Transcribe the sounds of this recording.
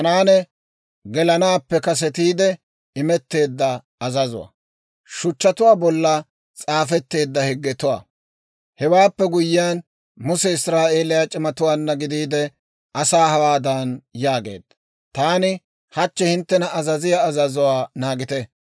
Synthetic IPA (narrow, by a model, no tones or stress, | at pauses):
hɐnaːnɛ | ɡɛlɐnaːpːɛkɐs̬ɛt̪iːd̪ɛ | ɪmɛt̪ːe̞ːd̪ːɐ | ɐzɐzʊ̰wɐ̰ | ʃʊt͡ʃːɐt̪ʊwaːbɔlːɐ | t͡sʼaːfɛt̪ːe̞ːd̪ːɐhɪɡːɛt̪ʊwa̰ː | hɛwaːpːɛɡʊjɪjaːn | mʊsɛɪsɾaːʔeːlɪjat͡ʃʼɪmɐt̪ʊwaːnːɐɡɪd̪iːd̪ɛ | ʔɐsaːhɐwaːd̪ɐnjaːɡe̞̰ːd̪ | t̪aːnɪ | hɐt͡ʃːɛhɪnt̪ːɛnɐʔɐzɐzɪjaːzɐzʊwaːnaːɡɪt̪ɛ